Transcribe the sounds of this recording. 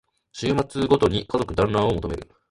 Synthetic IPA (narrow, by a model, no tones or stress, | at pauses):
ɕɨːmat͡sɨɡo̞t̪o̞ɲ̟ikazo̞kɯ̟d̪ãnːão̞mo̞t̪ome̞ɾɯ̟̰